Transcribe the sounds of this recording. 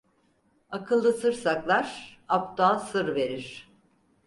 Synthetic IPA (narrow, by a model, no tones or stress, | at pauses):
akʰɯlˠːɯsɯɾsaklˠaɾapt̪ʰaːsɯɾve̞ɾiɾ̥